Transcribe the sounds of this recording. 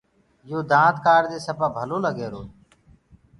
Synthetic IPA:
joːd̪ãːt̪kaːɾd̪eːsəpaːbʱəloːləɡeːɾoː

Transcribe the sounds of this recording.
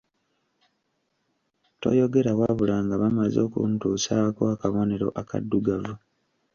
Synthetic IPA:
to̞̰jo̞ɡe̞ɾawaβulaːŋɡaβamazo̞ːkṵntuːsakoakaβo̞ne̞ɾo̞̰ʔaka̰dːuɡavu

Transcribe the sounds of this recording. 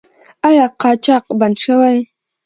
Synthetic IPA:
ajɑqɑt͡ʃɑqbanʈ͡ʂawaj

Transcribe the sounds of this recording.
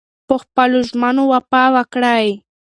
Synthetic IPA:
poχpalʊʒmanowapaːwakɽaj

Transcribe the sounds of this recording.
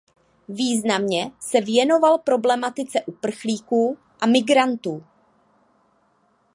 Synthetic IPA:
viːznamɲɛsɛvjɛno̞valpɾo̞blɛmat̪ɪt͡sɛʔupr̩xliːkuː | ʔamɪɡɾant̪uː

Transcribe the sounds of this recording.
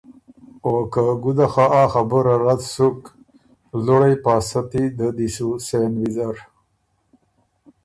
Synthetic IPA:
okaɡud̪axaaxabəɾaɾad̪suk | loɽajpɑːsat̪id̪əd̪isusenwizaɾ

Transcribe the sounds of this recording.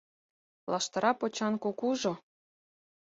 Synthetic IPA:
lʔɑʃt̪ɤ̆ɾɑpot͡ɕɑnkokuʒo

